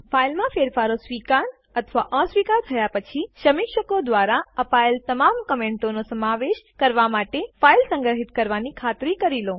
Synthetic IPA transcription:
fʰailmãfeɾfaɾosʋikaɾ | ət̪ʰʋaʔə̃sʋikaɾt̪ʰəjapət͡ʃʰiʃəmikʃəkod̪ʋaɾaəpaelt̪əmamkəmẽɳʈonosəmaʋeʃkəɾʋamaʈefailsə̃ŋɡɾəɦit̪kəɾʋanikʰat̪ɾikəɾilo

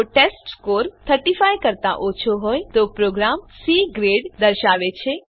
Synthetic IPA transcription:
ʈesʈskoɾt̪ʰəɾʈifajkəɾt̪a̰ʔot͡ʃʰoɦojt̪opɾoɡɾamsiɡɾeɖd̪əɾʃaʋet͡ʃʰe

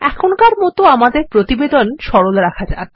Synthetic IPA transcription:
ɛkʰonkaɾmɔt̪oamad̪eɾpɾot̪ibed̪onʃɔɾolɾakʰad͡ʑa̰e

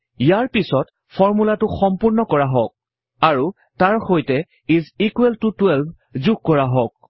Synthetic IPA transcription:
ijaɹpisɔt | fʰɔɹmulatʊxɔmpuɹnɔkɔɹaɦɔk̚ | aɹu | taɹxojtɛ | izikueltutwɛlbʱ | zuɡ̚kɔɹaɦɔk̚

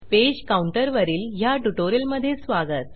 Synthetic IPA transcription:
ped͡ʑkauɳʈəɾʋəɾiːlɦjaʈuʈoɾjəlməd̪ʱːjesʋaɡət̪̚

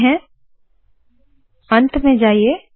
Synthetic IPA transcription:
ɦɛ̃ | ɐ̃nt̪mẽd͡ʒaːie

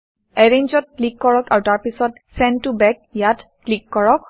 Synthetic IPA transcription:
ɛɹeɲd͡ʒɔt̚klikːɔɹɔkaɹtaɹpisɔt | sɛntubɛk̚jat | klikːɔɹɔk̚

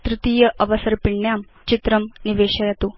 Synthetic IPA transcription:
t̪ɾut̪iːjɐʔɐʋɐsɐɾpiɳjaːm | t͡ʃit̪ɾɐmniʋeːʃɐjɐt̪u

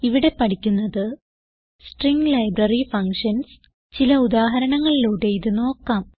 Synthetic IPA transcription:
iʋiɽe̞pɐʈikʲːunːɐðɨ | sʈriŋɡlɐjbrɐrifɐŋʂɐns | t͡ɕilɐud̪aːɦɐɾɐɳɐŋːɐɭiluːɽe̞iðɨno̞ːkːaːm

